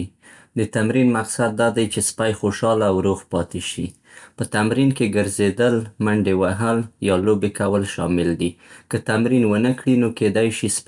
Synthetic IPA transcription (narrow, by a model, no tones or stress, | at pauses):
d̪ət̪amɾinmaqsad̪̚ːɑd̪ajt͡ʃespajxoʃɑlaːwɾoɣpɑt̪eʃḭ | pət̪amɾinkeɡəɾzed̪əlmaɳɖewaɦəljɑlobekawəlʃɑ̰mɪld̪ikət̪amɾinwənəkɽinoked̪ajʃis